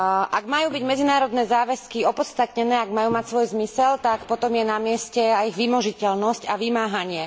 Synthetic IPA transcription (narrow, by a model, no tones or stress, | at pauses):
ʔaɡmajuːbiɟmɛd͡zinaːɾɔd̪nɛːzaːʋɛskiɔpɔt̪st̪at̪̚ɲɛnɛːaɡmajuːmacsʋɔjzmisɛlt̪akpɔt̪ɔmjɛnamɪɛscɛajiɣʋimɔʒicɛlnɔscaʋimaːɦaɲɪɛ